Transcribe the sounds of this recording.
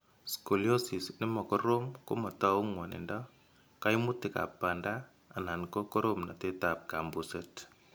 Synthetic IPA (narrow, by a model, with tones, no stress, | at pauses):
sko˨ljo˦si˨snɪ˦mɔ˨kɔ˦ɾo˦mko̰˦ma˨ta˦u˦ŋwa˨nɛ̰˨nda˦ | ka˦i˦mu˦ti˨ka̰˨pːa˨ndaː˦˨ | na˨nkɔ˦kɔ˦ɾo˦mna˨te˦ta˨p̚ka˨mbu˨sɛt